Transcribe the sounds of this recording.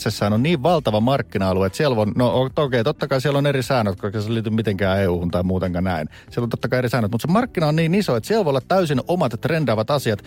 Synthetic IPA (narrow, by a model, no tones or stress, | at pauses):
t̪sesːæːnonniːʋʋɑlt̪ɑʋɑmɑrkːinɑɑluet̪sielʋonnoot̪okeit̪ot̪ːɑkɑisielonerisæːnøt̪kokɑseliːt̪ymmit̪eŋkæːeuːhunt̪ɑimuːt̪eŋkɑnæin | sielont̪ot̪ːɑkɑierisɑːnət̪mut̪semɑrkːinɑonniːnisoet̪sielʋolːɑt̪tæysinomɑt̪t̪rendɑːʋɑt̪ɑsiɑt̪